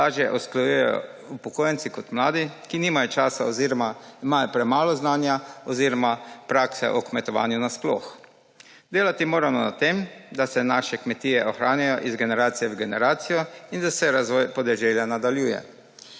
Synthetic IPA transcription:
aːʒjɛʔɔsklajujɛjɔ̰ | upɔkoːjɛnt̪sikɔt̪mlaːd̪ikiniːmajɔt͡ʃaːsaɔziɾɔmaimajɔpɾɛmaːlɔznaːnjaɔziːɾɔmapɾaksɛ̰ʔɔkmɛt̪ɔʋa̰ːnjunasplo̰ːx | d̪eːlat̪imoːɾamɔna̰t̪eːmd̪asɛnaʃɛkmɛt̪iːɛʔɔxɾaːnjajɔʔizɡɛnɛɾaːt̪sijɛwɡɛnɛɾaːt̪sijɔind̪asɛɾazʋɔjpɔd̪ɛʒɛljanad̪aljuːjɛ̰

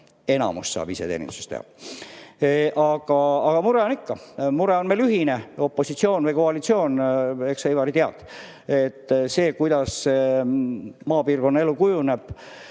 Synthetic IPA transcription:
e̞nɑ̰mussɑ̰ːb̥ise̞̰t̪ḛːnḭmsu̥st̪ḛhɑ̰ | ʔɑɡɑɑɡ̥ɑmuɾeo̞nikːɑmuɾeonmelyɦineo̞pːo̞sit̪sio̞ːnvɤjko̞ɑlit̪sio̞ːneksejvɑɾit̪eɑd̪̥ | et̪ːse̞ːkujd̪ɑsse | mɑːpiːrko̞nːɑe̞lːukujuneb̥

